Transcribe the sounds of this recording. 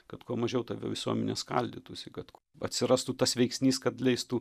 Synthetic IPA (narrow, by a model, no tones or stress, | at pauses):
kɐt̪kuɔmɐʒʲɛʊt̪ɐʋʲo̰ʋʲɪsuɔmʲɛnʲḛːskɐlʲd̪ʲɪt̪usʲɪkɐt̪kuɐt̪ʲsʲɪɾɑst̪uːt̪ɐsʋʲɛɪksʲnʲiːskɐt̪lʲɛɪst̪uː